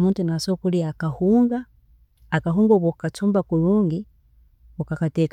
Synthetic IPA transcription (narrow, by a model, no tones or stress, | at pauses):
muntunasokuliakahuːŋɡaː | kaɦuːŋɡoβokatuːmbakuɾuːŋɡi | ukakatek